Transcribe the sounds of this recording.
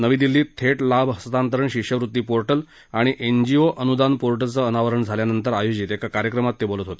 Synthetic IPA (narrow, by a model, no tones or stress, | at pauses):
nəʋiːd̪ilːiːt̪ʰeʈlabɦəst̪ant̪əɾəɳɕikɕəʋɾut̪ːiːpoɾʈəl | aɽ̃iʔend͡ʑioʔənud̪anpoɾʈəlt͡səənaʋəɾəɳd͡zʱaljanənt̪əɾajod͡ʑit̪ekakaɾjəkɾəmat̪ːebolət̪ɦot̪e̥